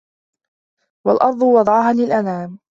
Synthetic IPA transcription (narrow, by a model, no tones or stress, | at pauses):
wa̰lʔɑɾˤd̪ˤʊwɑd̪ˤɑʕɦaːnɪlʔanaːm